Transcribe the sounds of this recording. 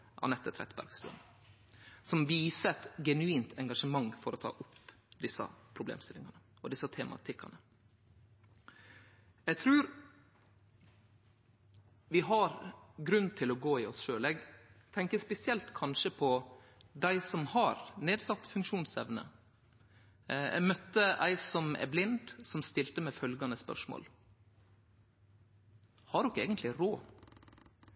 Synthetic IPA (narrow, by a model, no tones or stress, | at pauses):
ʔɑ̰nɛt̪ːət̪ʰɾɛ̰t̪ːbæ̰ɾɡst̪ʉ̰ːə̰n | sɔmʋiːsəɛt̪ɡɛnʉiːnt̪ʰɛŋɡɑʂəmɑŋfɔɾɔt̪ʰɑ̰ːʔʊpd̪ɪsːɑ̰pʰɾʊblḛːmst̪ɪlɪŋɑnə | ɔd̪ɪsɑt̪ʰɛːmʔɑ̰t̪ʰɪkːɑnə | ɛɡt̪ʰɾʉːɾ | ʋɪɦɑɾɡɾʉnt̪ʰɪlɔɡoːɪɔsʃøːlɛɡt̪ʰɛŋkəspɛsɪɛlt̪kʰɑnʂəpʰɔ | d̪æɪsɔmhɑɾneːd̪sɑt̪ːfʉŋkʂuːnsɛʋnə̰ | ɛ̰mœt̪ːəʔæ̰ɪsɔmæ̰ɾblɪnd̪sɔmst̪ɪlt̪əmɛfœlɡɑnəspœ̰ʂmo̰ːl | hɑɖɔkːeːɡənt̪lɪɾoː